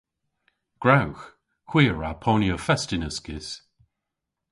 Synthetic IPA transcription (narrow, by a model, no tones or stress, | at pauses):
ɡ̥ɹawx | hw̥iːɹapʰɔnjəfɛstɪnəskɪs